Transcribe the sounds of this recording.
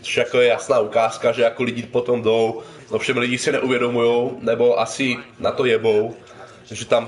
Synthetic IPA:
o̥ʃjak̚t̪ojɛjasnaːukaːskaʒɛjakoliɟipot̪omdow | ʔofʃɛmliɟisɪnɛʔuvjɛdomujownɛbo̞ʔasɪnat̪ojɛbo̞w | ʒɛt̪am

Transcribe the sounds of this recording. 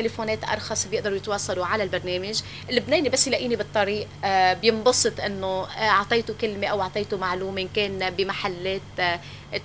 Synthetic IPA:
elefoːneːt̪ʔɑ̰ɾˤxɑsˤbjɪʔd̪ɑɾˤjɪt̪wɑːsˤːɑloʕalalbaɾˤneːmɪʒ | lːɪbneːnibasːjlaʔiːnibɨt̪ˤːɑɾiːʔbjɪmbɑsˤɨt̪ˤʔɪnːoɑʕt̪ˤɑjt̪okɪlmeʔawʔɑʕt̪ˤejt̪omaʕluːmeʔkeːnbɪmaħalːeːt̪

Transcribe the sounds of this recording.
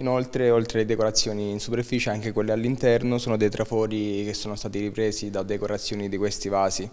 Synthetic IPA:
inolt̪ɾeolt̪ɾeled̪ekoɾat̪sːjoːniːnsuperfiːt͡ʃeaŋk̟ekwelːealːint̪ɛrnosoːnod̪ejt̪ɾʔafoːɾik̟esːoːnost̪aːt̪iɾipɾeːzid̪ad̪ekoɾat̪sːjoːnid̪ikwest̪ivaːzi

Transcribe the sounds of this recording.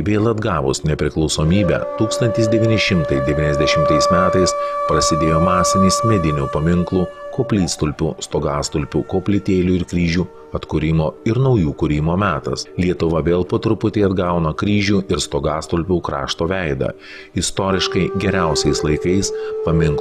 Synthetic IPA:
ʋʲeːlˠɐd̪ɡɑːʋʊ̰snʲɛpʲɾʲɪklˠɒʊsoːmʲiːbʲɛ̰ːt̪uːkst̪ɐnʲt̪ʲɪsd̪ʲɛʋʲiːnʲɪʃʲɪmt̪ɐɪd̪ʲɛʋʲiːnʲɛzʲd̪ʲɛʃʲɪmt̪ɐɪsmʲæːt̪ɐɪspɾɐsʲɪd̪ʲeːjoːmɑːsʲɪnʲɪsmʲɛd̪ʲɪnʲuːpɐmʲɪŋklˠuːkoːpʲlʲiːst̪ʊlʲpʲṵːst̪oːɡɑːst̪ʊlʲpʲuːkoːpʲlʲɪt̪ʲeːlʲuːɪɾkɾʲiːʒʲuː | ɐt̪kʊɾʲɪmoːɪɾnɐʊjuːkʊɾʲɪmoːmʲæːt̪ɐ̰slʲiɛt̪ʊʋɐʋʲeːlˠpɐt̪ɾʊpʊt̪ʲeːɐd̪ɡɐʊnɐkɾʲiːʒʲuːɪɾst̪oːɡɑːst̪ʊlʲpʲuːkɾɑ̰ːʃt̪oːʋʲæɪd̪ɐ̰ | ɪst̪oːɾʲɪʃkɐɪɡʲɛɾʲæˑʊsʲɛɪslˠɐɪkɐɪspɐmʲɪŋk

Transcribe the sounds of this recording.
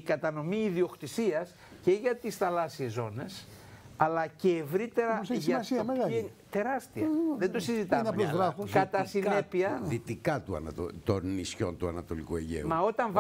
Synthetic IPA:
kɐt̪ɐno̞miːðio̞kt̪isiɐs | ce̞ʝɐt̪isθɐlɐsiezo̞ne̞s | ɐlɐceːvɾit̪e̞ɾɐʝɐsme | t̪e̞ɾɐst̪iɐðed̪osizit̪ɐmɐlozɣɾɐfuskɐt̪ɐsine̞piɐðit̪ikɐt̪uɐ̰nɐt̪ot̪onisço̞̰nt̪uɐnɐt̪o̞likueʝḛumɐo̞t̪ɐɱv

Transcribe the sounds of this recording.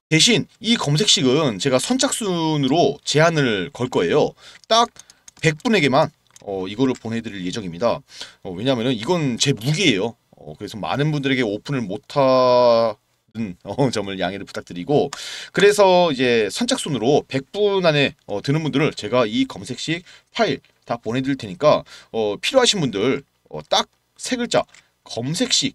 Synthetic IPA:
te̞ɕ̬ʰinikʌms̬ʰe̞k̚ɕ͈iɡɯnt͡ɕe̞ɡasʰʌnt͡ɕʰak̚s͈unɯɾot͡ɕe̞ɦanɯɭkʌɭk͈ʌe̞jot͈ak̚pe̞k̚p͈une̞ɡe̞man | ʌiɡʌɾɯɭponɦe̞dɯɾiɭje̞d͡ʑʌŋimɲidaʌwe̞ɲaɦːmjʌnɯniɡʌnt͡ɕe̞muɡiːjo | ʌ̰kɯɾe̞sʰʌma̰nɯnbundɯɾe̞ɡe̞opʰunɯɭmotʰa | dɯnʌt͡ɕʌmɯɭjaŋeɾɯɭpu̥t͈ʰak̚t͈ɯɾiɡokɯɾe̞sʰʌid͡ʑe̞sʰʌnt͡ɕʰaks͈onɯɾope̞k̚p͈unane̞ʌtɯnɯnbundɯɾɯɭt͡ɕe̞ɡaikʌmsʰe̞k̚ɕ͈ik̚ | pʰaiɭ | taponɦe̞dɯiɭt͈ʰe̞ɲik͈aʌpʰiɾjoɦaɕʰinbundɯɭ | ʌ̰t͈ak̚ | sʰe̞ɡɯɭt͡ɕ͈a̰ | kʌmsʰe̞k̚ɕ͈ik̚

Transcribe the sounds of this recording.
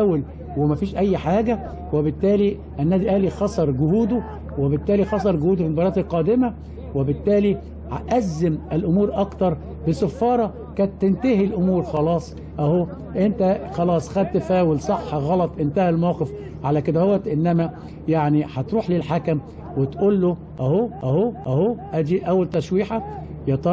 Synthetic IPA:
wel | wɪmæfiːʃʔæjːħaːɡæ | webɪt̪ːæːli | ʔænːæːd̪iʔæːlixɑsˤɑɾˤɡʊhuːd̪ʊ | webɪt̪ːæːlixɑsˤɑɾˤɡʊhuːd̪fmobɑɾˤɑːt̪elqɑːd̪ɪmæ | webɪt̪ːæːli | ʔæzːɪmelʔʊmuːɾʔɑkt̪ɑɾˤ | bɪsæfːɑːɾˤɑ | kæːt̪ːent̪æhilʔomuːɾxɑlɑːsˤ | ʔæhoː | ʔent̪æxɑlɑːsˤxæd̪̚t̪ɪfæːwelsˤɑħːɑɣɑlɑt̪ˤʔɪnt̪æhælmawqef | ʕalæked̪æhowːæt̪ʔenːæmæ | jaʕniħɑt̪ɾuːħlelħakæm | wet̪ʔolːo | ʔæhoːʔæhoʔæhoːʔæd̪iʔæwːælt̪æʃwiːħæ | jɑt̪ˤɑ

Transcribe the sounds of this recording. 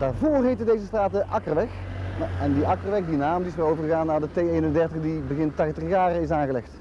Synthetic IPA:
d̥aːɹvoːrɦetədejzəstraːt̚dəʔɑkərʋɛxɛndiɑkərʋɛxdinaːmdiɪsəowvərɣəɣaːnːaːdətejejnəndɛrtəɣdibəɣɪntːɛtəəɣaːrəɪsaːnɣəlɛxt

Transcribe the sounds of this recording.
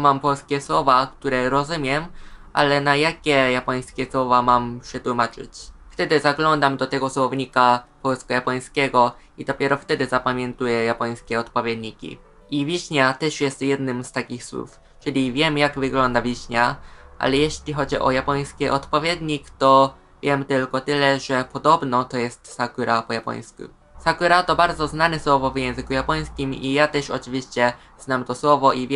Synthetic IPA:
mampɔlskʲɛswɔvakt̪uɾɛɾɔzumʲjɛmʔa̰lɛnajakʲɛjapɔj̃skʲɛswɔvamamɕʂɛt̪wumat͡ʂɘ̰t͡ɕ | ft̪ɛd̪ɘzaɡlɔnd̪amd̪ɔt̪ɛɡɔswɔvɲikapɔlskɔjapɔj̃skʲɛɡɔ | id̪ɔpʲjɛɾɔft̪ɛd̪ɘzapamʲjɛnt̪ujɛjapɔj̃skʲɛɔt̪pɔvʲjɛd̪ɲikʲḭ | ivʲjiɕɲat̪ɛʂjɛst̪jɛd̪nɘmst̪akʲixswṵf | t͡ʂɘlʲivʲjɛmjaɡvɘɡlɔnd̪avʲiɕɲaʔa̰lɛjɛɕlʲixɔd͡ʑiʔɔ̰japɔj̃skʲɛʔɔt̪pɔvʲjed̪ɲikt̪ɔ | vʲjɛmt̪ɘlkɔt̪ɘlɛʐɛpɔd̪ɔbnɔt̪ɔjɛst̪sakuɾʔapɔjapɔ̰j̃skṵ | sakuɾat̪ɔbaɾd̪zɔznanɛswɔvɔvjɛ̃w̃zɘkujapɔj̃skʲimijat̪ɛʂɔ̰t͡ʂɘvʲiɕt͡ɕɛ | z̥namt̪ɔswɔvɔʔivʲj

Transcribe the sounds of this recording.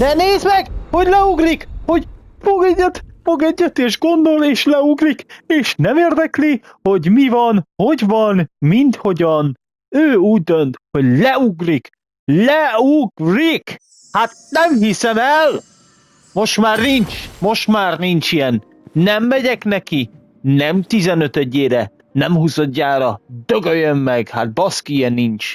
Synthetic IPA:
d̪̥ɛneːzmɛɡho̞ɟlɛuɡrikho̞ɟfoɡɛɟːɛt̪foɡɛɟːɛt̪eːʒɡo̞nd̪oleːʃlɛuɡrikeːʃnɛmeːrd̪ɛkliho̞ɟmivɒnho̞ɟvɒnmint̪ho̞ɟɒn | øːuːɟ̚d̪ønt̪ho̞ɟlɛuɡrik | lɛuɡrik | hat̪̚nɛmhisɛmɛl | mo̞ʃmaːrnint͡ʃmo̞ʃt̪maːrnint͡ʃijɛn | nɛmːɛɟɛknɛki | nɛmt̪izɛnøt̪ɛɟːeːɾɛ | nɛmɦuzod̪ːaːɾɒd̪øɡøjømːɛɡhat̪̚bɒskijɛnint͡ʃ

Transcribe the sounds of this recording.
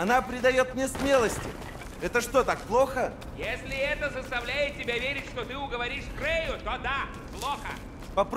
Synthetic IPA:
ɐnapɾʲɪd̪ɐjo̞t̪̚mnʲesmʲe̞lˠəsʲtʲɪ̰ | ɛt̪əʂt̪o̞t̪ak̚plˠo̞xə | jesʲlʲɪɛt̪əzəst̪ɐvlʲæjɪt̪̚tʲːɪbʲavʲeɾʲɪtʲʂt̪ot̪ɨʊɡəvɐɾʲiʂkrɛjʊt̪od̪a | plˠoxə̰ | pɐp

